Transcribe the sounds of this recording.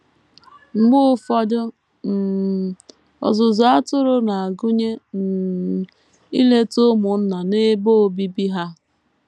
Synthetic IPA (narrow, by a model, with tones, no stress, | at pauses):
ŋ͡m̩˨ɡ͡bʊ˦fɔ˦dʊ˦ | m̩˨ | ɔ̰˨zʊ˨zʊ˨a˦tʊ˦ɾʊ˦na˨a˨ɡʊ˦ɲe˦n̩˨ | i˦le˦tʊ˦mʊ˨n̩˦na˨ne˦bo˦o˨bi˦bi˦ɦa˦